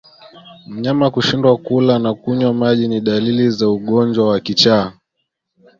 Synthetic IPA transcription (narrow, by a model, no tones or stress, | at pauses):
m̩ɲamakuʃindwakulanakuɲwamaʄiniɗalilizauɠɔnd͡ʒwawakit͡ʃaː